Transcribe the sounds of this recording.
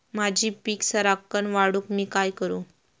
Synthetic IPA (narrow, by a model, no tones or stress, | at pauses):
mad͡ʑʱiːpiːksəɾakːənʋaɽuːkmiːkajkəɾũː